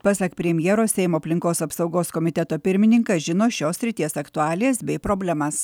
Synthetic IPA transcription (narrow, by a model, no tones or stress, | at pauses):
pɐsɐkpʲɾʲɛmʲjɛɾoːsʲɛɪmoːɐpʲlʲɪŋkoːsɐpsɐʊɡoːskɔmʲɪt̪ʲɛt̪oːpʲɪɾʲmʲɪnʲɪŋkɐʒʲɪnoːʃʲoːsʲɾʲɪt̪ʲiɛsɐkt̪ʊɑːlʲɪjeːsbʲɛɪpɾoːbʲlʲɛmɐs